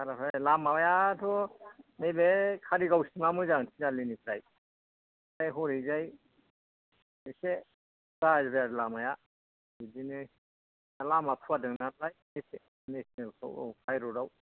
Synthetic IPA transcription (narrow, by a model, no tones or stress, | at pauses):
aɾapʰalamawjatʰɔnebekʰaɾiɡawsimamɯzaŋtʰinalinipʰɾaj | ajɦɔɾizaj | ese | ɡazbjaɾlamaja | bidinɯ | alamapʰuadɯŋnat̚lajnese | nesnelkʰɯ̰w̰kʰajɾɔɾaw